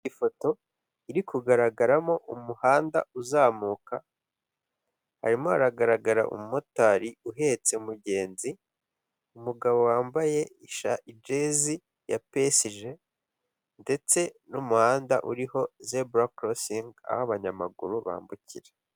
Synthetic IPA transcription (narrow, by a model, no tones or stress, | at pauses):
ifo̞to̞ | iɾikuɡaɾaɡaɾamo̞ʔumuhaːnda̰uzaːmuːka | ha̰ɾimohaɾaɡaɾaɡaɾa̰ʔṵmumo̞taɾiuɦe̞t͡se̞umuɟe̞ːnzi | umuɡaβo̞waːmbaje̞iʃaʔid͡ʒe̞zi | jape̞siʒe̞ | nde̞t͡se̞numuhaːndaʔuɾiho̞zebɾakɾosiŋɡa̰haβaɲamaɡṵɾuβa̰ːmbucḭɾe